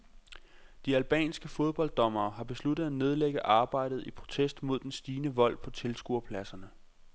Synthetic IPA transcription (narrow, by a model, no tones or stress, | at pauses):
d̥iælb̥ɛ̰ːnsɡ̥əfo̝ð̞ˠb̥ɒ̽ld̥ɒ̽mɐːɦɑ̈b̥e̝slud̥ð̩ˠæne̝ð̞ˠleɡ̥əʔɑ̈ːb̥ɑ̈ɪ̰d̥ð̩ˠipʰʁo̝t͡sʰesd̥mo̝ð̞̰ˠd̥ensd̥iːnəʋɒ̽l̰pʰɒ̽t͡sʰe̝lsɡ̥uɐ̰pʰlæsɐnə